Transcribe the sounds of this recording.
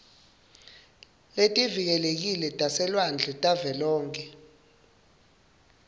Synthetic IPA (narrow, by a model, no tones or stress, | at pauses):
letʼivik̬ɛlek̬ilɛtʼasɛlwand͡ɮʱɛtʼavɛlɔːŋkʰʼɛ